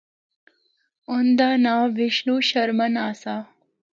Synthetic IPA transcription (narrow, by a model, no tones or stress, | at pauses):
ond̪anaʋiʂnuɕəɾmənasa